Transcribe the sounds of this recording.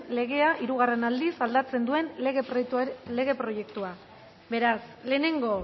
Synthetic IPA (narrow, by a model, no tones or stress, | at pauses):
le̞ɣ̞e̞aʔiɾuɣ̞are̞nald̪isald̪at͡se̞nd̪ue̞nɣle̞ɣe̞pɾo̞je̞kt̪ua | be̞ɾasle̞ːne̞ŋɡo̞